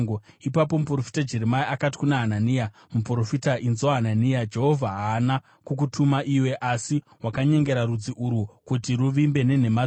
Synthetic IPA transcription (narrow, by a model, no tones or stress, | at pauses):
ɡoipapo̞mupro̞fi̥tad͡ʒe̞ɾemaiʔakati̥kunaɦananiːja | mupro̞fitainzaɦananijad͡ʒe̞ɦo̞vʱaɦaːna | kuk̬utʰumaʔiwe̞ʔasi | ɦwakaɲe̞ŋɡe̞ɾaɾud͡ziʔuɾukutiɾuʋimbe̞ne̞ne̞ma